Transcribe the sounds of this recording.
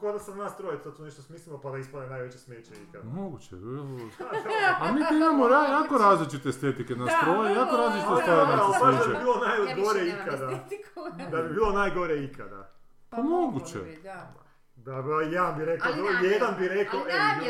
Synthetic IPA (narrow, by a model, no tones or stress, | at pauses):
kod̪asanaːst̪ɾojet̪t̪ot̪oneʃt̪osmislˠilopad̪aispalenaːjʋet͡ɕesmeːt͡ɕeḭka̰d̪moɡut͡ɕḛbloaamiːt̪iimamoɾajakoɾaːzlit͡ʃit̪est̪et̪ikenastt̪ɾojeijakoɾaːzlit͡ʃit̪est̪aɾaaobaʃd̪abibiːlˠonajɡo̞ɾeikad̪a | d̪abibiːlˠo̞najɡo̞ɾeikʰa̰d̪a̰ | pamoɡut͡ɕḛ | d̪abajed̪ambiɾeklabjed̪anbiɾekoʔeʋo